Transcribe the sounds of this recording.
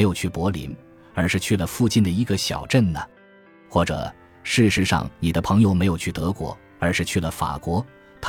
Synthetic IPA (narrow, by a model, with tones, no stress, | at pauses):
ɪjo˨˩ʊt͡ɕʰy˥˩pwɔ˧˥lḭ˧˥n | ə˞˧˥ʂɻ̩˥˧t͡ɕʰy˥˩lə˩fu˥˧t͡ɕi˥˩nd̪ə˩i˧˥ɡə˧ɕjɑ̰˨˩ʊʈ͡ʂə˥˩nnə̰˩ | xwɔ˥˩ʈ͡ʂɤ̰˨˩˦ | ʂɻ̩˥˩ʂɻ̩˧˥ʂɑ̰˥˩ŋni˨˩d̪ə˦pʰɤ˧˥ŋjo˧˥ʊme˧˥ɪjo˨˩ʊt͡ɕʰy˥˩t̪ɤ˧˥kwɔ̰˧˥ | ə˞˧˥ʂɻ̩˥˧t͡ɕʰy˥˩lə˩fa̰˨˩kwɔ˧˥ | t̪ʰ